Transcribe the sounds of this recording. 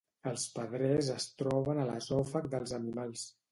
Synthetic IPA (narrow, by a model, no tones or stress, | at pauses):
əlˠspəðɾɛzəst̪ɾɔβənələ̰zɔfək̚d̪əlˠzənimalˠs